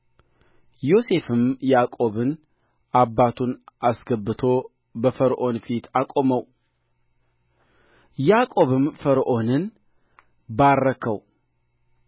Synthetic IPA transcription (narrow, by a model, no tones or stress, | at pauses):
jo̞se̞fɨmjakʼo̞βɨn | ʔabːat̪ʰunʔasɡəbːɨt̪ʰo̞ | bəfəɾʔo̞nfit̪ʰakʼo̞məw | jakʼo̞βɨmfəɾʔo̞nɨn | baɾːəkʰəw